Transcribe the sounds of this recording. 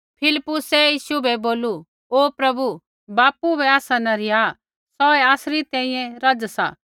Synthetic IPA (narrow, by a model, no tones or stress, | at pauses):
pʰɪlɪpːʊsɛjiːʃubɛboːlu | oːpɾɐbu | baːpubʱɛaːsanɐɾɪja | sɔɛaːsɾit̪ɛ̃ːĩjɛ̃ɾɐd͡zsa̰ː